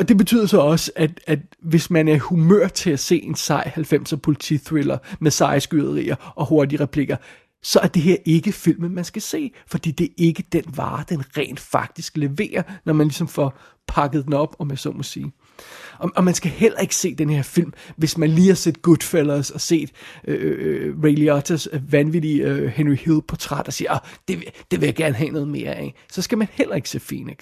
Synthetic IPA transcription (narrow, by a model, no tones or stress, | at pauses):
ɒ̽d̥e̝b̥e̝t͡sʰy̰ð̰ˠɐsɒ̽ɒ̽səʔæd̥æd̥ʋe̝smænæɐhumø̰ɐ̰d̥̚t͡sʰe̝læse̝̰ːe̝nsɑ̈ɪhælfem̰sɒpʰo̝lit͡sʰḭθʁilɐmesɑ̈ɪsɡ̥yðˠɐʁḭːɐʔɒ̽ho̝ɐdiʁɛpʰliɡ̥ɐ | sɒ̽æɐd̥e̝ɦe̝ɐ̰ʔe̝ɡ̥əfil̰məmænsɡ̥æse̝̰ːfɒ̽d̥ḭːd̥e̝ʔe̝ɡ̥əd̥enʋɑ̰̈ːd̥enʁɛ̰ːnd̥fɑ̈ɡ̥̚d̥isɡ̥le̝ʋe̝̰ːɐnɒmænlisɒ̽mfɒ̽ | pʰɑ̈ɡ̥əð̩ˠd̥enɒ̽b̥ɒ̽mænsɒnmɒ̽siː | ɒʔɒ̽mænsɡ̥æhel̰ɐe̝ɡ̥ə̥se̝̰ːd̥enəheɐ̰fil̰mʋe̝smænliːhɑ̈sed̥̚ɡ̥ud̥felɐːsɒ̽se̝̰ːd̥ʔøʁeɪliɒt͡sʰɐsʋænʋid̥iøhenʁihilˠpʰɒ̽t͡sʰʁad̥ɒsiːɐɒd̥e̝d̥e̝ʋe̝jäɡ̥æɐnəɦɛ̰ːnɔ̽ːð̩ˠme̝ːɐʔæ̰ | sɒ̽sɡ̥æmænhel̰ɐe̝ɡ̥əse̝̰ːfḛːneɡ̥